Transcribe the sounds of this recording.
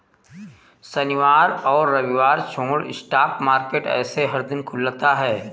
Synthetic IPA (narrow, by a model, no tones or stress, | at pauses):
sɐnɪʋaːɾɔːɾːɐʋɪʋaːɾt͡ʃʰõːɽɪ̰sʈaːpmaːɾkeːʈɛ̰ːseɦɐɾd̪ɪnkʰʊlːt̪aɦɛː